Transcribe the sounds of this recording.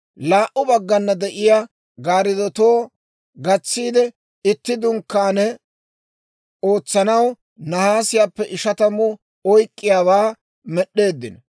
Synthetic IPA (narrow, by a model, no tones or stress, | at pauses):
laːʔʊbɐɡːɐnːɐd̪ɛʔɪja | ɡaːɾɪd̪ɔt̪o̞ː | ɡɐt͡sːiːd̪ɛ | ɪt̪ːɪd̪ʊŋkːaːnɛ | o̞ːt͡sːɐnɐw | nɐhaːsɪjaːpːɛʔɪʃɐt̪ɐmʊ | ɔjkʼːɪjaːwaː | mɛɗːe̞ːd̪ːɪn